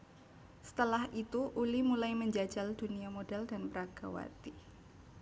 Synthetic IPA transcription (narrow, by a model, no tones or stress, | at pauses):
sə̥t̪əlahit̪uʔulimulajməɲd͡ʒḁd͡ʒald̥uniamodaldanpəɾaɡ̥awa̰t̪i